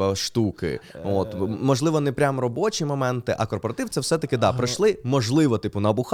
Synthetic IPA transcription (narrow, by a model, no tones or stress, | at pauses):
ɐʃt̪ukɪ̰ot̪mɔʒlˠɪʋɔnɛpɾʲamrɔbɔt͡ʃimɔmɛnt̪ɪʔɐkɔrpɔɾɐt̪ɪw̪sɛwsɛt̪ɐkɪd̪ɑpɾɪʃlˠɪmɔʒlˠɪʋɔt̪ɪpʊnɐbʊx